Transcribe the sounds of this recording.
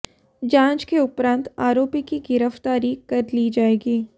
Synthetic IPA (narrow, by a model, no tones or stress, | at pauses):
d͡ʒãːnt͡ʃkeʊpɾãːnt̪aːɾoːpikiɡɪɾəft̪aːɾikɐɾliːd͡ʒaːeːɡiː